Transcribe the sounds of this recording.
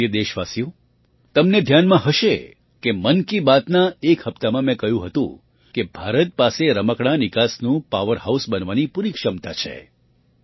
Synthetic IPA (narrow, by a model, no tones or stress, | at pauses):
ed̪eʃʋasijo | t̪əmned̪ʱjanmãɦəʃe | kemənkibat̪naekhəpt̪amãmɛ̃kəɦjũɦət̪ṵ̃ | kebʱaɾət̪̚paseɾəməkɽ̃anɪkasnũpaʋəɾhausbənʋanipuɾikʃəmt̪at͡ʃʰḛ